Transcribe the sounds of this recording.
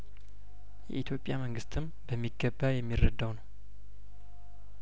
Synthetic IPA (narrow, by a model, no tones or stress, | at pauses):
jɛ̰ʔit̪jo̞pʼjaməŋɡɨst̪ʰɨm | bəmːiɡːəbːajɛmːirːəd̪ːəwnəw